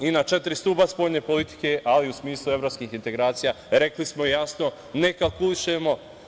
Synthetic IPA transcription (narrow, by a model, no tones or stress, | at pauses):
inat͡ʃe̞t̪iɾist̪uːbaspo̞ːʎne̞ːpo̞lit̪i̥ke̞ʔaliusmiːslˠue̞ʋɾopskiːxint̪e̞ɡɾaːt̪sija | ɾe̞klismojasno̞ | ne̞kalˠkuliʃemo̞